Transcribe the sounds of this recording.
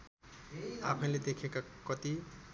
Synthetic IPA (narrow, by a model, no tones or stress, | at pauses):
apʰʌ̃ĩled̪ekʰekakʌt̪i